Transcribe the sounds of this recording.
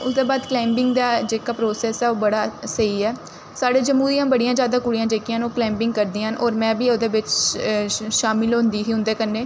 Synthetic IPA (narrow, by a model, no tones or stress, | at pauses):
ʊsd̪eːbaːd̪klaːmbɪŋɡd̪aːd͡ʒeːkaːpɾoːsɛːsɛːoːbəɽaːsəiːɛː | saːɽeːd͡ʒəmuːɾijãːbəɽijãːd͡ʒjaːd̪ãːkʊɽijãːd͡ʒeːkijãːnoːklɛːmbɪŋɡkəɾd̪iːənoːɾmɛ̃ːbiːoːd̪eːʋɪt͡ʃ | ʃaːmɪlɦʊ̃nd̪iːɦiːɦʊ̃nd̪eːkənːeː